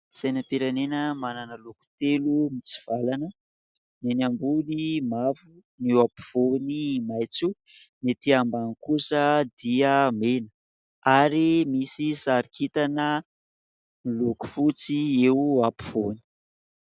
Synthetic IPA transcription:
sajnəpiɾanenəmananəluku̥t̪elumit͡si̥v̥alanə | nenambunimavu | niwapi̥v̥onimajt͡su | nit̪iambanikusəd̪iəmenə̥ | aɾimisisaɾikʰit̪anə | niluku̥fut͡siewapi̥v̥oni̥

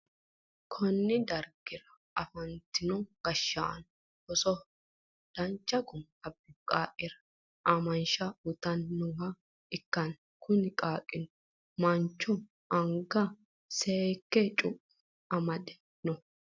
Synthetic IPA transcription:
kʰɔnːɪd̪ɐɾɡɪɾɐ | ɐfɐnt̪ɪnɔɡ̥ɐʃːa̰n | hɔsɔ | d̪̥ɐnt͡ʃːɐɡʊm | ɐbːɪkʼaːʔʼɪɾɐ̥ | ʔɐmɐnʃɐʊt̪ɐnːʊŋɡɐ | ɪkːɐn | kʰʊnɪkʼaːkʼːɪnɔ | mɐnt͡ʃːɔ | ʔɐŋɡɐ | sɛkːɛt͡ʃʼʊpː | ɐmɐd̪ɛ̥ | nɔ

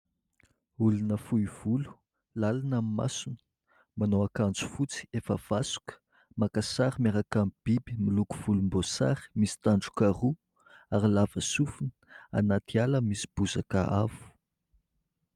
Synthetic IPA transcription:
ulunəfuiv̥ulu̥ | lalanamima̰sunə̥ | manoakand͡zu̥fut͡si̥efəv̥asu̥kə̥ | makasaɾimeɾakamib̥ibimiluku̥v̥ulumbosa̰ɾi̥misi̥t̪aɳɖ͡ʐu̥karu | aɾilavəsufunə̥a̰nat̪ialəmisi̥b̥uzakə̰ʔavu̥

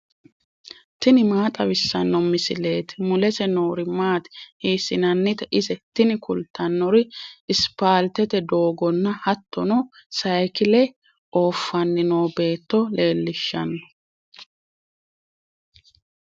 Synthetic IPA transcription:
t̪ɪnɪmaːt̪ʼɐwɪsːɐnːɔmɪsɪle̞ːt̪ɪmʊlɛsɛnoːɾɪmaːt̪ɛ̥hiːsɪnɐnːɪt̪ɛʔɪsɛt̪ɪnɪkʰʊlt̪ʰːɐnːɔɾɪʔɪspaːlt̪ɛt̪ɛd̪o̞ːɡɔnːɐhɐt̪ːɔnɔsɐjkɪlɛ | oːfːɐnːɪnoːbe̞ːt̪ːɔle̞ːlːɪʃːɐ̰nːɔ̥

